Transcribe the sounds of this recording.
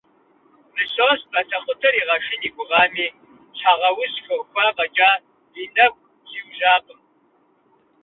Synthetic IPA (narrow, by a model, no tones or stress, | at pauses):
nɨɕʼoːspʼɐtʰɐχʷʼʊtʰɐɾiːʁɐʃɪniːɡʷʊʁɑːmiː | t͡ʃʰaːʁɐwʊsxɐwxʷɐqɐt͡ʃʼaː | jɪnɐxʷ | z̥iwʒaːqʼəm